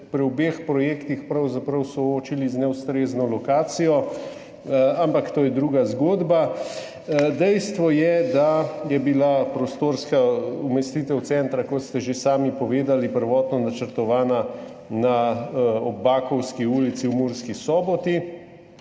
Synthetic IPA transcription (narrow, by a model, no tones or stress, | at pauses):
pɾiɔbeːxpɾɔjeːkt̪ixpɾawzapɾɐwsɔoːt͡ʃiliznɛwst̪ɾeːznɔlɔkaːt̪sijɔ | ampakt̪oːjɛd̪ɾuːɡazɡoːd̪ba | d̪ɛjst̪ʋɔjɛd̪ajɛbilapɾɔst̪oːɾskaumɛst̪iːt̪ɛwt̪sɛnt̪ɾakɔt̪st̪ɛʒesaːmipɔʋeːd̪alipəɾʋɔːt̪nɔnat͡ʃəɾt̪ɔʋaːna | na | ɔbbːaːkɔwskiuːlit̪siwmuːɾskisɔːbɔt̪i